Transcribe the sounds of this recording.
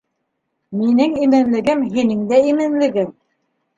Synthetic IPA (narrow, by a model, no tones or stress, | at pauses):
minɘŋimɘ̆nlɘ̆ɡɘmɦinɘŋd̪æimɘ̆nlɘ̆ɡɘm